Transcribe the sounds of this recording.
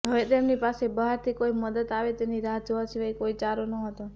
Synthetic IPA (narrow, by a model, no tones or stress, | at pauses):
ɦəʋet̪emnipasebəɦaɾt̪ʰikoiməd̪ət̪aʋet̪eniɾad͡ʒʋasiʋajkoit͡ʃaɾonəɦət̪o